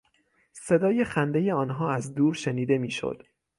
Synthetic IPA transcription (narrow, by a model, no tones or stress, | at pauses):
se̞d̪ɒːje̞xænd̪e̞je̞ɒːnɦɒːæzd̪uːɾʃeniːd̪e̞miːʃo̰d̪̥